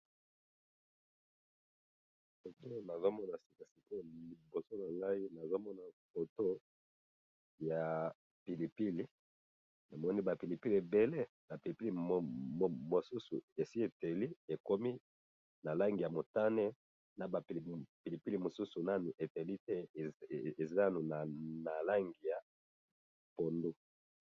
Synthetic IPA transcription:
fo˨to˦na˨zo˦mɔ˦na˨si̥˨ka˨si˨ko˦li˨bo˨so˦na˨ŋa˦i˦na˨zo˦mɔ˦na˨fo˨to˦ | ja˨ | pi˨li˨pi˦li˨ | na˨mɔ˦ni˦ba˨pi˨li˨pi˦li˨e˨be˨le˦ | ba˨pi˨li˨pi˦li˨mo˨su˦sṵ˨e˨si˦e˨te˨li˦e˨ko˦mi˦ | na˨la˦ŋɡi˨ja˨mo˨ta˦nɛ˦ | na˨ba˨pi˨li˨pi˦li˨mo˨su˦su˨na˦ni˨ʔe˨te˨li˦tɛ˦˨e˨za˦a˦nu˨na˨na˨la˦ŋɡi˨ja˨ | po˨ndu˦

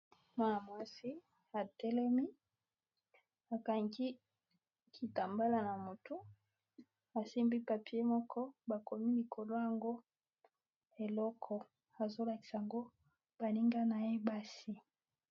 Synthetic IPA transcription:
mwa˦na˨mwa˦si˦ | a˨tɛ˦lɛ˦mi˦ | a˨ka˨ŋɡi˦ | kʰi˨ta˨mba˦la˦na˨mo˨tu˦ | a˨se˦mbi˦pa˨pi˦e˦mɔ˦kʰɔ˦ba˨ko˨mi˦li˨kʰo˨lo˦ja˨ŋɡo˦ | e˨lɔ˦kʰɔ˦˨ | a˨zo˦la˨ki̥˨sa˨a˨ŋɡo˦ | b̥a˨li˦ŋɡa˦na˨je˦ba˦si˦

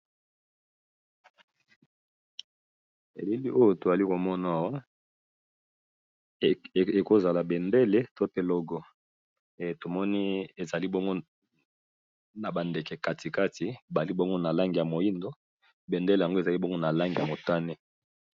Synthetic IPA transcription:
ḛ˨le˦li˦ʔo˦jo˨to˨a˨li˦ko˨mɔ˦na˨a˨wa˦˨ | e˨ko˦za˨la˨be˨nde˦le˦to˦pe˨lɔ˨ɡɔ˦ | e˨to˨mɔ˦ni˦e˨za˨li˦bɔ˦ŋɡo˦ | na˨ba˨nde˨kɛ˨ka˨tʰi˨ka˦ti˨ba˨li˦bɔ˦ŋɡo˦na˨la˦ŋɡi˨ja˨mo˨ji˦ndo˦ | be˨nde˦le˨ja˨ŋɡo˦e˨za˨li˦bɔ˦ŋɡo˦na˨la˦ŋɡi˨a˨mo˨ta˦ne˦

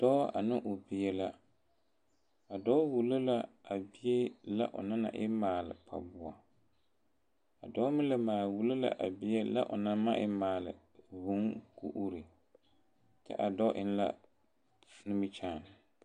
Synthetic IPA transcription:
d̥ɔ˦a̰˨nɪ˦ʔʊ˨bɪ˨jɛ˦la˦ | a˨dɔ˦wu˨lo˦la˦a˨bɪ˦e˦la̰˦ʔʊ̰˨na˦na̰˨ʔɪ˦maː˨lɪ̰˨pʰa̰˨bʊ˨a˨ | a˨dɔ˦mɪ˦la˨maː˨lwu˨lo˦la̰˨ʔa̰˨bɪ˦e˦la̰˦ʔʊ̰˨na˦ma˦ʔɪ˦maː˨lɪ̰˨ | bu˨˦ŋkṵ˦˨ʔu˦ɾi˨ | tɛ̰˦ʔa˨dɔ˦ʔɪ˦n˦la̰˦ | nɪ˦mɪ˦t͡ʃaː˦˨n˨

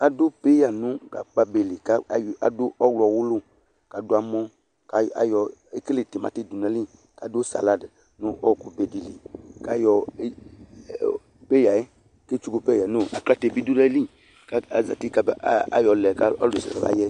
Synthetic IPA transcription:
a˨do˦pe˦ja˨nũ˦ɡa̰˨k͡pa˦be˨li˨ka˦˨ja̰˨do˦ɔ˦wlɔ˨wu˦lu˦ | ka˨do˦a˨mɔ̃˦ | ka˨a̰˨jɔ˨e˦ke˦le˨te˨mã̰˨te˦˨du˨na˨˦li˦ | ka˨do˦sa̰˨la˦d | nu˦ʔɔ˦˨ku˦be˨di˨li˨ka˦jɔ˨e˦˨ | pe˦ja˨e˦ | ke˦t͡ʃu˦ɡo˨pɛ˦ja˨no˦a̰˨kla˦te˨bi˦du˦dɛ˦li˦ | ka˦a˨za̰˨ti˦ka˦ba̰˦jɔ˨lɛ˨ka˦ɔ̰˦le˨sɛ̰˨ɛ̰˨va̰˦jɛ˦

